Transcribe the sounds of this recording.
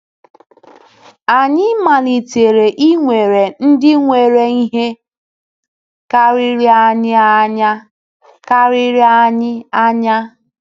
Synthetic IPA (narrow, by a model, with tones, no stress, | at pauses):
a˨ɲɪ˦ma˨li˨te˨ɾe˨ʔi˦ŋʷe˨ɾe˨n̩˦dɪ˦ŋʷe˨ɾe˨i˦ɦe˦ | ka˦ɾi˦ɾi˦a˦ɲɪ˦a˦ɲa˦ | ka˦ɾi˦ɾi˦a˦ɲɪ˦a˦ɲa˦